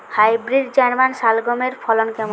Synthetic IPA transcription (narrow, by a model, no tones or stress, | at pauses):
hajbɾid̪̚d͡ʑɛɾmanʃalɡomeɾfʰɔlonkɛm